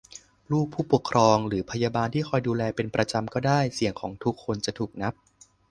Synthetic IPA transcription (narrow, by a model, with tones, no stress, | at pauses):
ɾuː˥˩pʰːuː˥˩pu˨˩əkʰɾɔː˧ŋɾɯː˩˦pʰa˧jaː˧baː˧nt̪ʰiː˥˩kʰɔː˧jduː˧lɛː˧pe˧npɾa˧t͡ɕa˧mkɔː˥˩daː˥˩jsi˨˩˦əŋkʰɔː˩˦ŋt̪ʰu˦˥kʰːo˧nt͡ɕa˨˩t̪ʰuː˨˩k̚na˦˥p̚